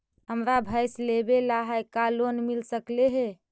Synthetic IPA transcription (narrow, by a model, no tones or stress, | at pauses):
ɦəmɾabʱəjslebelaɦajkalonmilsəkleɦe